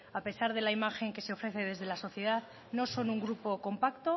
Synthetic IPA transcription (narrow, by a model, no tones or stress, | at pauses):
ape̞saɾð̞e̞laimaxe̞ŋke̞se̞o̞fɾe̞θe̞ðe̞zð̞e̞laso̞θje̞ðað | no̞so̞nuŋɡɾupo̞ko̞mpakt̪o̞